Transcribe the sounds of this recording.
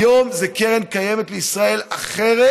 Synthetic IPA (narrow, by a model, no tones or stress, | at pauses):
jomzekeʁenkajemet̪leisʁaelaχeʁe